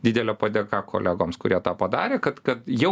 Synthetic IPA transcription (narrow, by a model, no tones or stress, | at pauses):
d̪ʲɪd̪ʲɛlʲɛpɐd̪ʲɛːkɑːkʰo̰lʲæːɡoːmskʊɾʲiɛt̪ɑːpɐd̪ɑːɾʲeːkɐt̪kɐt̪jɛ